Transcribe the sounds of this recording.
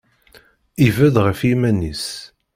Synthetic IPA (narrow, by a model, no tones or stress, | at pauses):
ivæðʁəfimænis